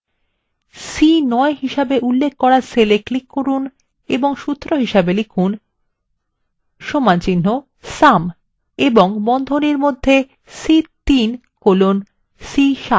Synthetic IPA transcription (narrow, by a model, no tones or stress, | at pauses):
sinɔeɦiʃabeʔulːekʰːɔɾaseleklikːoɾun | eboŋʃut̪ːɾoɦiʃabelikʰun | ʃomant͡ɕinːo | sam | eboŋbɔnd̪ʱoniɾmod̪ʱːe | sit̪inkolon | siʃa